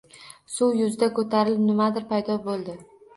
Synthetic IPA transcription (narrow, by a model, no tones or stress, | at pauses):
suwjʊzɪd̪akʰɵt̪ʰaɾɪlɪpnɪmad̪ɪɾpʰajd̪ɒbolˠd̪ɪ